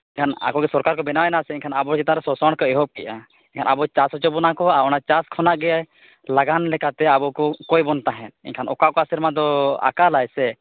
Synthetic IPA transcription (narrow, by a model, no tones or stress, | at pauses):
iɲkʰana̰kɔɡɛsɔɾkaɾkɔbɛnawɛnasɛiɲkʰanabɔɾt͡ʃit̪aɾɛsɔsɔɽkɔɛɦɔp̚kɛʔa | iɲkʰanabɔt͡ʃasɔt͡ʃɔbɔnakɔaɔnat͡ʃaskʰɔnaʔɡɛjaj | laɡanlɛkat̪ɛabɔkɔkɔjbɔnt̪aɦɛ̃t̪̚ḭɲkʰanɔkaʔkɔasiɾmad̪ɔa̰kalajsɛ